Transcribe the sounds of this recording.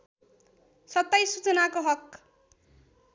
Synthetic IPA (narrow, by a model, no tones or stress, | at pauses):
sʌt̪ːʌjsut͡sʌnakoɦʌk